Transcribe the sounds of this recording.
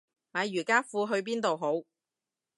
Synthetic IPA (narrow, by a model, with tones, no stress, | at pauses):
maː˨˧jɥyː˨˩kaː˥fuː˧ɦɵ˧ɥp̬iː˥nt̪o˨wɦo˨˥w